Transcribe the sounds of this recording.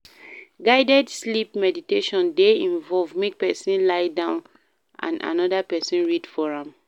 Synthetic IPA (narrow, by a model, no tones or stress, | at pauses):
ɡaɪdɛdslipmɛditeʃɔ̃ndeĩnvɔlvmek̚pɛsĩnlaɪdãʊ̃n | ʔã̰na̰nɔdapɛsĩnɹidfɔɹãm